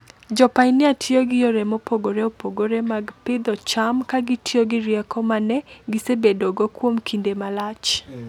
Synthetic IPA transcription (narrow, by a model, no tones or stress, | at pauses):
d͡ʒɔpajnɪatʰjoɡɪjoɾɛmopoɡoɾeopoɡoɾemaɡpɪd̪ɔt͡ʃamkaɡɪtʰioɡɪɾjɛkɔmanɛɡɪsebedoɡɔkwomkʰindemalat͡ʃ